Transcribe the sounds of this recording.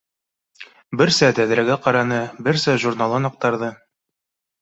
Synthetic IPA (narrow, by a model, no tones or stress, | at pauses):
bɘ̆ɾsæt̪æðɾæɡæqɑɾɑnɤbɘɾsæʒurnalˠɤnɑq̚t̪ɑɾðɤ